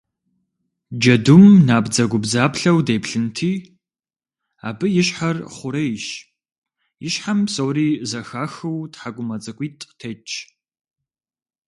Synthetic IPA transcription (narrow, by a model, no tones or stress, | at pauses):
d͡ʒɐdumnaːbd͡zɐɡʷʊbzaːpɬɐwdeːpɬɨntʰiː | a̰ːbɨjɪɕħarχʷʊɾɐɪʃ | jɪʃħamsowriːzɐxaːxɨwtħaɡʷʊmɐt͡sʼɐkʷʼiːtʼtʰet͡ʃʰʼ